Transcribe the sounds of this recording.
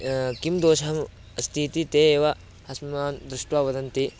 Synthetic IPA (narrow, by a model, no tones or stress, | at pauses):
kimd̪oːʃɐɦɐm | ɐst̪ʰiːt̪it̪eːeːʋɐ | hɐsmaːnd̪ɾuʂʈʋaːʋɐd̪ɐnt̪i